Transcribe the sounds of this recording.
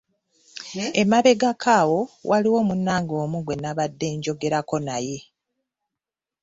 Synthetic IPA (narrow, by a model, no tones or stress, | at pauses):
emaβe̞ɡakʰaːwo̞wʔaliwo̞ːmunːaːŋɡo̞ːmuɡwe̞nːaβadːe̞ːɲɟo̞ɡe̞ɾako̞naje̞